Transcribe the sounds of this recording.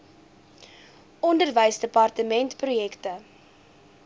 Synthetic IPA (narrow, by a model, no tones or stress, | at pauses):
ʔɔndərvəjsdəpɑrtəmɛntprujɛktə